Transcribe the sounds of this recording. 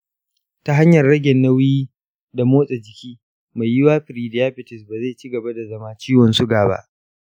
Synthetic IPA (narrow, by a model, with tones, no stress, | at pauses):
ta˦ɦa˦ɲjɐ˨rɽɐ˦ɡʲɛ˨nːa˦wjiː˦ | da˨moː˦sʼɛ˨d͡ʒɪ˨kʲiː˦ | ma˨jjɪ˦waː˦ɸɪ˨ɾiː˨dɪ˨jaː˦ɸɪ˨tɪ˨sbaː˨za˦˨t͡ʃiː˦ɡɐ˨ba˦da˨zɐ˦maː˦t͡ʃiː˦wɔ˨nsʊ˦ɡaː˨ba̰˦ʔ